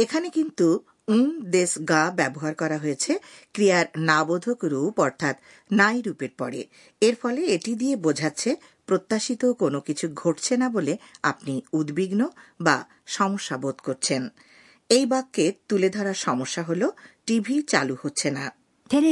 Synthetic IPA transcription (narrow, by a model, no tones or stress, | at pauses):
ekʰanekint̪u | und̪esɡabɛboɦaɾkɔɾaɦoet͡ɕʰekɾiaɾnabod̪ʱokɾupɔɾt̪ʰat̪ | najɾupeɾpɔɽḛ | eɾfɔleeʈid̪iebod͡ʑʱatːɕʰe | pɾot̪ːaʃit̪okonokit͡ɕʰuɡʱoʈt͡ɕʰenaboleapniud̪biɡnoba̰ | ʃɔmoʃːabod̪koɾt͡ɕʰen | ejbakːet̪uled̪ʱɔɾaɾʃɔmoʃːaɦoloʈibʱit͡ɕa̰luhotːɕʰena